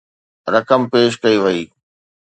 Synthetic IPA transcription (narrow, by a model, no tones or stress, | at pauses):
ɾɐkəmpeːʃ̬kɐiʋɐiː